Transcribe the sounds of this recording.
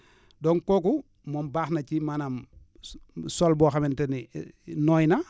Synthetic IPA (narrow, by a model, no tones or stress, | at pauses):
dɔŋkoku | mɔmbaːxnacimanam | solbɔːxamɛntɛninɔːjna